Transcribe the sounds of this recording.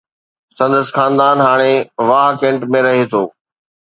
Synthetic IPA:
sɐ̃nd̪əsxaːnd̪aːnɦaːɽ̃eʋaːɦkẽːɳʈmẽɾɐɦet̪ʰoː

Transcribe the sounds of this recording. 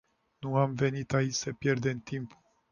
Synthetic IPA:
nuamve̞nit̪ait͡ʃʲsəpje̞rd̪e̞mt̪impu

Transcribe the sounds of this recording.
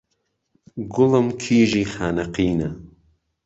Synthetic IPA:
ɡʊləmkʰiːʒiːxaːnɐqiːnɐ

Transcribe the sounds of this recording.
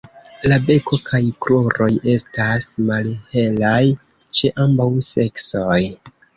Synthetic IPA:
labe̞ko̞kʰajkloɾo̞je̞stasmalhe̞laj | t͡ʃe̞ʔambawse̞ksoj

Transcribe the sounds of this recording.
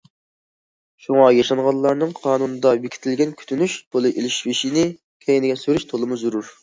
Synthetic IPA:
ʃuŋɑjɑʃɑnʁɑllːˠɑɾnɨŋqʰɑːnunɨd̪ɑbikʰʲi̥t̪ʰɪlɡʲɛnkʲʰy̥t̪ʰynyʃt̪ʰolˠɨʔelɪʃvɪʃinɪ | kʲʰɛjɪnɪɡʲɛsøɾyʃt̪ʰolˠɨmuzuɾuɾ

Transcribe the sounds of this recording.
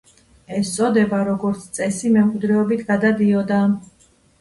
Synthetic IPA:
ɛst̪sʼɔd̪ɛbaɾɔɡɔɾt̪sʰt̪sʼɛsimɛmqʼwid̪ɾɛɔbit̪ʰɡ̥ad̪ad̪iɔd̪a

